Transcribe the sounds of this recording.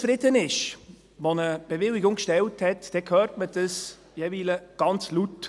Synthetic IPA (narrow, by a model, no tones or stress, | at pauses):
fɾɪdənɪʃ | ʋonəb̥evɪlɪɡʊŋkʃtɛlthɛtd̥ɛkʰøːrtməd̥əs | jɛviːləɡ̥ɑnt͡slut